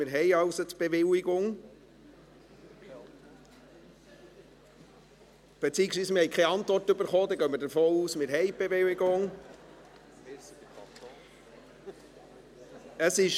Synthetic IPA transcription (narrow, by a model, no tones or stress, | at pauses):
mɪɾɦɛjɑwsotb̥eʋɪlɪɡʊŋ | b̥et͡siːəksʋiːsmɪɾhɛɪkʰχɛɑntʋɔrtʏbəɾχoːd̪ɛɡœmːəɾdəɾfoːuːsmɪɾɦɛɪb̥evɪwɪɡʊŋ | əsɪʃ